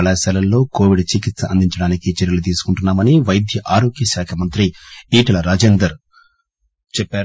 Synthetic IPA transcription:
ɐlaːsaːlɐlːo̞ːko̞ːʋiɖt͡ʃikit̪sɐɐnd̪ʱiɲt͡ʃɐɽaːnikit͡ʃeɾjɐlut̪̬iːsu̥kuɳʈunːaːmɐniʋɐjɐd̪ʱjɐʔaːɾo̞ːkjɐʃaːkʰɐmɐnt̪ɾiiːʈɐlɐɾaːd͡ʒeːnd̪ɐɾ | t͡ʃɛpːaːɾ

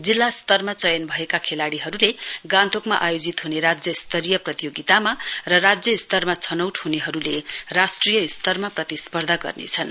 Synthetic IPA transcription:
d͡zilːast̪ʌrmat͡sʌjʌnbʱʌekakʰelaɽiɦʌɾuleɡãnt̪ʰokmaʔajod͡zit̪ɦuneɾad͡zjʌist̪ʌɾijʌprʌt̪ijoɡit̪amarʌrad͡zjʌist̪ʌrmat͡sʰʌnʌwʈɦuneɦʌɾulerasʈrijʌist̪ʌrmaprʌt̪ispʌrd̪ʱaɡʌ̰rnḛt͡sʰʌn

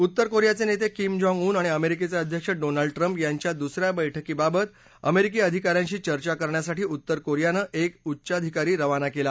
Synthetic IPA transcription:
ut̪ːəɾkoɾjat͡senet̪ekimd͡ʑɔ̃ŋɡuːnaɽ̃iəmeɾiket͡saəd̪ʱjəkʂəɖonaɭɖʈɾəmpjaɲt͡ɕjad̪usɾjabəjʈʰəkiːbabət̪ | əmeɾik̬iəd̪ʱikaɾjãɲt͡ɕiːt͡ɕəɾt͡ɕakəɾɳjasaʈiːut̪ːəɾkoɾjanəʔekutːɕad̪ʱikaɾiːɾəʋanakela

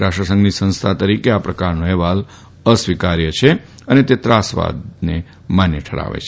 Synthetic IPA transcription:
ɾaʃɾəsə̃ŋɡnisə̃nst̪ʰat̪əɾikeapɾəkaɾnõɛʋal | əsʋikaɾjət͡ʃʰe | ənet̪et̪ɾasʋa̰d̪ne | manjəʈʰəɽa̰ʋḛt͡ʃʰe

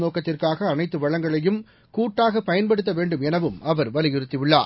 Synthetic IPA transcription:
noːkɐt̪ːɪrkaːɣɐːnɐɪt̪ːɯʋɐɻɐŋɡɐɭɐjɯm | kuːʈːaːɣɐpɐjɐnpɐɽɯt̪ːɐʋeːɳɖɯmɛnɐʋɯmɐʋɐɾʋɐlɪjɪɾɯt̪ːɪʋɯɭːa̰ːɾ

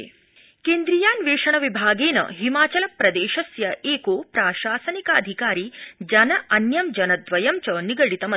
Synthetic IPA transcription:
keːnd̪ɾijaːnʋeːʂɐɳɐʋibʱaːɡeːnɐ̰ɦimaːt͡ʃɐlɐpɾɐd̪eːʃɐsjɐʔeːkoːpɾaːʃaːsɐnikɐɐ̰d̪ʱikaːɾiːd͡ʒɐnɐʔɐnjɐmd͡ʒɐnɐd̪ʋɐjɐmt͡ʃɐniɡɐɽit̪ɐmɐ

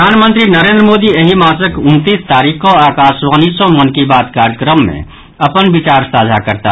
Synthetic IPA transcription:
aːnmə̃nt̪ɾinəɾẽːnd̪ɾəmoːd̪ieɦimaːsəkʊnt̪iːst̪aːɾiːkkoaːkaːsʋãnisɔmənkibaːt̪kaɾjəkɾəmːḛ̃ | ɐpənbit͡ʃaːɾsaːd͡ʒʱakəɾt̪a̰

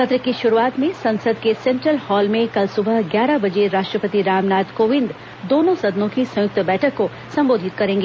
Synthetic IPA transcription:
xɐt̪ɾəkiʃʊɾuaːt̪mẽsɐ̃nsəd̪kesẽɳʈɾəlhɔːlmẽkɐlsʊbʱəɡjaːɾabɐd͡ʒeɾaːʃʈɾəpət̪iɾaːmnaːd̪koːʋɪnd̪ | d̪oːnõsɐd̪nõkisɐ̃jʊk̚t̪əbɛːʈʰəkːo | sɐ̃mboːd̪ʱɪt̪̚kɐɾẽːŋɡeː

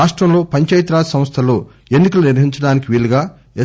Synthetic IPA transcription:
aːʂʈɾɐmlo̞ːpɐɲt͡ʃɐːjɐt̪ɾaːsɐmst̪ʰɐlo̞ː | enːikɐluniɾʋɐɦiɲt͡ʃɐɽaːnikiʋiluɡaː | e

